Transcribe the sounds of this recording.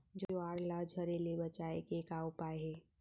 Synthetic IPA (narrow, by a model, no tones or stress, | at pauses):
d͡ʒoaːɽlad͡ʒʱəɾelebət͡ʃaekekaupaːeɦɛː